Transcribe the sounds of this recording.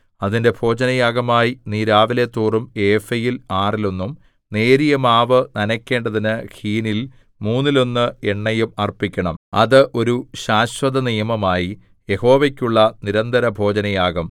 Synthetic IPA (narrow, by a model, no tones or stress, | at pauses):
ɐðinde̞bʱo̞ːd͡ʑɐnɐjaːɡɐmaːjiniːɾaːʋile̞t̪ːuːrume̞ːfɐjilaːrilo̞nːum | ne̞ːɾijɐmaːʋɨnɐnɐkʲːe̞ːɳɖɐðinɨhiːnil | muːnːilo̞nːɨe̞ɳːɐjumɐrpikʲːɐɳɐmɐ̰ðɨʔo̞ɾuɕaːɕwɐðɐnijɐmɐmaːji | je̞ho̞ːʋekʲːuɭːɐniɾɐnd̪ʱɐɾɐbʱo̞ːd͡ʑɐnɐjaːɡɐm